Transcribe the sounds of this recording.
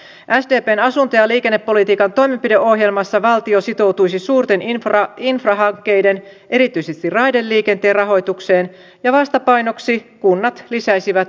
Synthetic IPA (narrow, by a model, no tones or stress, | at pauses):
ʔæsdeːpeːnɑsunt̪ojɑliːke̞nːepːo̞lit̪iːkɑnt̪o̞jmempideʔo̞hje̞lmɑsːɑʋɑlt̪io̞sit̪o̞wt̪ujsisuːrt̪e̞ninfrɑɦɑŋkːe̞jde̞nʔe̞ɾit̪yjsest̪irrɑjdelːiːke̞nt̪eːrɑɦo̞jt̪ukse̞ːn | jɑʋɑst̪ɑpɑjno̞ksikunːɑt̪lisæjsiʋæt̪